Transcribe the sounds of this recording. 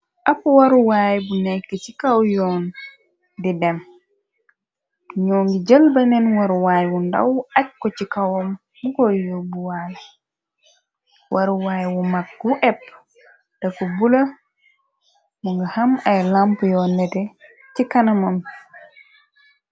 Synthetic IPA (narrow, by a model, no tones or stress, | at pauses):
ʔapːwaɾuwajbunɛkːɛt͡ʃikawjɔːn | didɛm | ɲɔŋɡid͡ʒəlbɐnɛnwaɾuwaːjwunda̰wac̚kɔt͡ʃikawɔm | mukɔjɔbuwaj | wʔaɾuwajwumak̚ɡuʔɛpː | d̥akɔbula | muŋɡahamajlampujɔnɛtɛ | t͡ʃikanamam